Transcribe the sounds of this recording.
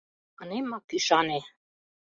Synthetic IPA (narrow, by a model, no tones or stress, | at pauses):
ənemɑkyʃɑne